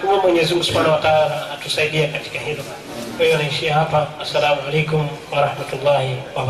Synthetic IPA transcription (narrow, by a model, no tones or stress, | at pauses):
kuamwɛɲɛzimɡusu̥panawataalaːtusaiɗiakati̥kahilɔ | kwahianahiʃiaɦapaasːalamualɛjkumwaɾahmatulːahiwa